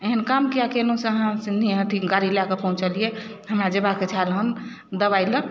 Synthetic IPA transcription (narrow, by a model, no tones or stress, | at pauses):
eɦənkamkijakelõsẽəɦãsind̪ʱiɦãt̪ʰiɡaɾilakepə̃ɦũt͡ʃalijeɦəmɾad͡ʒəbaket͡ʃʰalɦən | d̪əβaɪlə̃